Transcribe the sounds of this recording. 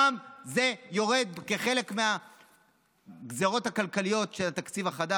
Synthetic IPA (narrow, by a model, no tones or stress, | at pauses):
amze̞jo̞ʁe̞d̪̚keχe̞lekmea | ɡzeʁo̞t̪hakalkalijo̞tʃe̞lat̪akt͡sivaχad̪a